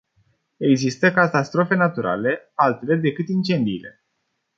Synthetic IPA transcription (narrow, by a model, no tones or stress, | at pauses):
e̞ɡzist̪əkat̪ast̪ɾo̞fe̞nat̪uɾa̰le̞alt̪ele̞d̪e̞kɨt̪int͡ʃe̞nd̪ile̞̰